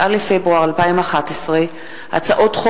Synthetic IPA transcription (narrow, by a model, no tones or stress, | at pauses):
alefebʁuaʁalpaimaχatesʁe | ha̰t͡saʔo̞tχo